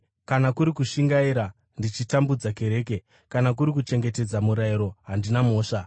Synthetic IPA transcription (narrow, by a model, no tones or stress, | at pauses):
kanakuɾikuʃiŋɡaiɾa | ndit͡ʃitambud͡zake̞ɾe̞ːke̞ | kanak̬uɾik̬ut͡ʃe̞ŋɡe̞te̞d͡zamuɾaiɾo̞ɦandinamo̞ːʂa